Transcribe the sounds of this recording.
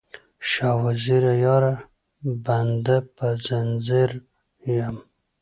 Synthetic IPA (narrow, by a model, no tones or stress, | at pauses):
ʃɑwaziɾajɑɾa | band̪apazanziɾ | jam